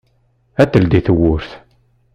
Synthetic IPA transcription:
æt̪ːəld̪iθəwʊɾθ

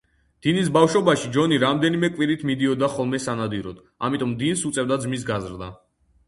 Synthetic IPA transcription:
d̪̥inis̬bafʃɔbaʃid͡ʒɔniɾamd̪ɛnimɛkʼwiɾit̪ʰmid̪iɔd̪aχɔlˠmɛsanad̪iɾɔd̪ | a̰mit̪ʼɔmd̪insut̪sʼɛvd̪ad̪zmis̬ɡazɾd̪a

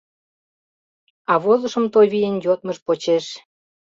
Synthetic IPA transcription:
ɑβozə̆ʃəmt̪ojβijenjot̪̚məʃpot͡ɕeʃ

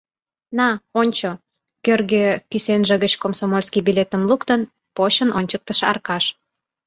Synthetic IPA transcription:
nɑonʲt͡ɕo | kørɣekysenʒĕɣət͡ɕkomsomolʲskibilet̪əmlukt̪ən | poɕənʔonʲt͡ɕək̚t̪əʃɑ̰rkɑʃ

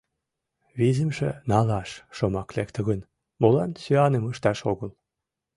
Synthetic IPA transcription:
βizə̆mʃḛnɑlɑʃʃomɑklek̚t̪ə̆ɣən | molɑnsøɑneməʃt̪ɑʃoɣəl

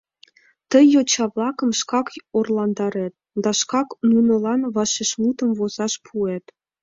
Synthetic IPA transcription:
t̪əjot͡ɕɑβlɑkə̆mʃkɑkorlɑnd̪ɑɾet̪̚d̪ɑʃkɑknunɤ̆lɑnβɑʃeʃmut̪əmβoz̥ɑʃpʰuet̪

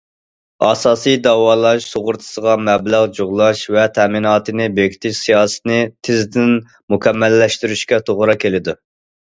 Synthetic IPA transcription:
ɑsɑːsijd̪ɑwɑːlˠɑʃsoʁʊɾt̪ʰɨ̥səʁɑmɛblæʁd͡ʒoʁlˠɑʃvɛt̪ʰɛminɑːt̪ɨnɪbekʲʰi̥t̪ʰɪʃsijɑːsɨ̥t̪ɨnɨt̪ʰɪzd̪ɪn | mukʲʰɛmːɛlːɛʃt̪yɾyʃkʲɛt̪ʰoʁɾɑkʲʰelɪd̪u

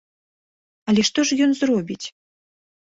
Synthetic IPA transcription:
ɐlʲɛʂt̪ɔʂjɔnzrɔbʲit͡sʲ

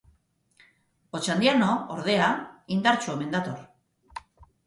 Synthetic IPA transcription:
ot͡ʃand̪ianooɾðe̞aind̪aɾt͡sueme̞nd̪at̪o̞r

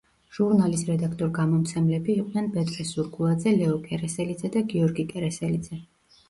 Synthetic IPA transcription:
ʒ̥uɾnalisɾɛd̪akʰt̪ʼɔɾɡamɔmt̪sʰɛmlɛbiːqʼnɛnbɛt̪ʼɾɛsuɾɡʼulˠad̪zɛlɛɔkʼɛɾɛsɛlid̪zɛd̪aɡiɔɾɡikʼɛɾɛsɛlid̪z̥ɛ

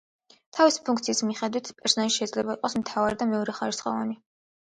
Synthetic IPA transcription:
t̪ʰavisi̥pʰuŋkt̪sʰiːsmiχɛd̪wit̪ʰpʼɛɾsɔnaliʃɛizlɛbaiqʼɔsmt̪ʰavaɾid̪amɛɔɾɛχaɾisχɔ̰va̰ni

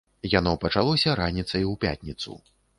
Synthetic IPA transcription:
janɔpɐt͡ʂalˠɔsʲɐɾanʲit̪sɐjwpʲa̰t̪ʲnʲit̪sṵ

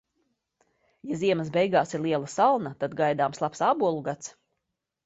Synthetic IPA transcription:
jaziɛməsbɛjɡaːsiɾlˠiɛlˠasalˠnat̪ad̪ɡajd̪aːmslˠapsaːbuɔlˠuɡat̪s

